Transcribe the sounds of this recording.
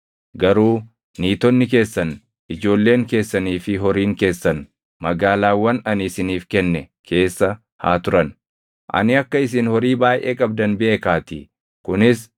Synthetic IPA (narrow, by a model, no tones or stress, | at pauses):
ɡɐɾuː | niːt̪ɔnːɪk̬e̞ːsːɐn | ʔɪd͡ʒo̞ːlːe̞ːŋke̞ːsːɐniːfɪɦɔɾiːŋke̞ːsːɐn | mɐɡaːlaːwːɐnɐnɪsɪniːfkɛnːɛ | kʰe̞ːsːɐ | ha̰ːt̪ʊɾɐn | ʔɐ̰nɪɐkːɐɪs̬ɪnhɔɾiːbaːjʔe̞ːkʼɐbd̪ɐnbɪe̞ːkaːt̪ɪ | kʊnɪs